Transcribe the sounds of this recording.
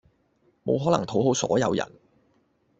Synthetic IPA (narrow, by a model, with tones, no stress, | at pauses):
mo̰˨˧wɦɔː˨˥lɐ̰˨˩ŋt̪ʰo˨˥wɦo˨˥wsɔ̰ː˨˥jɐ˨˧wjɐ̰˨˩n